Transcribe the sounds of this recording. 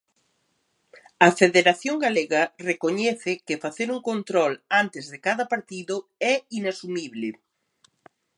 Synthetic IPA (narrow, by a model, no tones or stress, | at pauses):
ɐfeðeɾaθjoŋɡaleɣɐrekoɲɛθɪkɪfaθeɾuŋkont̪ɾɔlant̪ɪzðɪkaðɐpaɾt̪iðʊɛinasumiβlɪ